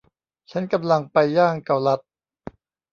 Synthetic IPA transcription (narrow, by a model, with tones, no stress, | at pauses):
t͡ɕʰa˦˥nka˧mla˧ŋpa˧jːaː˥˩ŋka˨˩wla˦˥t̪̚